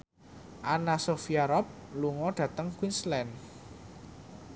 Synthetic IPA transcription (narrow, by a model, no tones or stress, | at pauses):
ʔanasofiaɾɔp̚luŋɔɖ̥ä̤t̪əŋkwinslɛn